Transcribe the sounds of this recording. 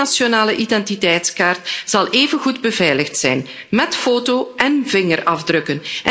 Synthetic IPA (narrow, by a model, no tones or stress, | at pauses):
asjonaːləʔidɛntitɛjtskaːrtz̥ɑlˠʔeːvənɣudbəvɛjləxtsɛjn | mɛtfoːtoːʔɛnvɪŋərɑvdrɵkənʔ